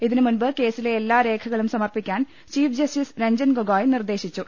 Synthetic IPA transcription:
iðinɨmunbɨke̞ːsileːlːaːɾe̞ːkʰɐɣɐɭumsɐmɐrpikʲːaːn | t͡ɕiːfd͡ʑɐstisɾeɲd͡ʑɐnɡoɡaːjnird̪e̞ːɕit͡ɕːu

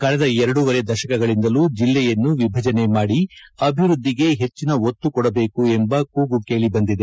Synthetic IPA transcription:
kɐɭɛd̪ɐɛɾɐɽuʋɐɾe̞d̪ɐʃɐkɐɡɐɭind̪ɐluːd͡ʒilːɛjɐnːuʋibʱɐd͡ʒɐne̞maːɽiɐbʱiʋɾud̪ʱːiɡe̞ɦe̞t͡ʃːinɐot̪ːukɔɽɐbe̞ːkuembɐkuːɡuke̞ːɭibɐnd̪id̪e

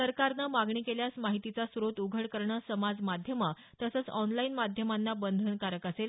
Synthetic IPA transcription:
səɾkaɾnamaɡɳiːkeljasmaɦit̪it͡sasɾot̪uɡʱəɽkəɾɳəsəmad͡zmad̪ʱjəma | t̪əsət͡sɔnlainmad̪ʱjəmanːabənd̪ʱənkaɾək̪əsel

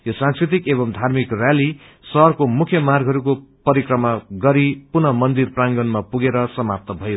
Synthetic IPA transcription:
josãnskrit̪ikeβʌmd̪ʱarmikrjali | sʌrkomukʰjʌmarɡʱɦʌɾukopʌɾikrʌmaɡʌɾipunʌmʌnd̪irpraŋɡʌnmapuɡeɾʌsʌmap̚t̪ʌbʱʌjo

